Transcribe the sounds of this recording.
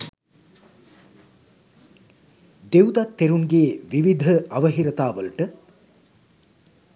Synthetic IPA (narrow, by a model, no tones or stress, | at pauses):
d̪ewd̪at̪ːeɾuŋɡeːʋiʋid̪ʱəʔɐʋəɦiɾət̪aːʋəlʈə